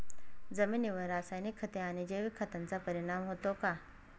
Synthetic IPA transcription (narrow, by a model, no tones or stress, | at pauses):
d͡zəminiʋəɾasajnikʰːət̪eanid͡ʑeʋikʰːət̪ant͡sapəɾiɽ̃amɦot̪oka